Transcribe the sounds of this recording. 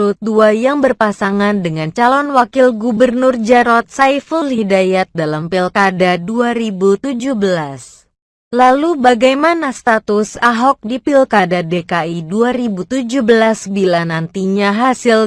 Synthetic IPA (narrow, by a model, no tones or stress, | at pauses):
lut̪̚duajaŋbərpasaŋandəŋant͡ʃalɔnwakɪlɡubərnʊrd͡ʒaɾɔt̪̚sajfəlhidajat̪̚dalampilkadaduaɾibut̪ud͡ʒuhbəlas | lalubaɡajmanast̪at̪ʊsaɦɔk̚dipilkadadekaiduaɾibut̪ud͡ʒuhbəlasbilanant̪iɲaɦasɪl